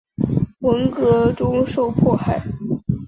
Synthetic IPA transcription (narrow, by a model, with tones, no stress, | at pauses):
wə˧˥ŋkɤ˧˥ʈ͡ʂʊ˥ŋʂo˥˧ʊpʰwɔ˥˧xa˥˩ɪ